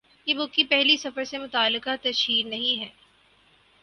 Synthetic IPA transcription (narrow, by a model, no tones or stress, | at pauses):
jebʊkːipɛɦlisɐfəɾsemʊt̪aːlːɪkat̪ɐʃiːɾnɐɦĩɦɛː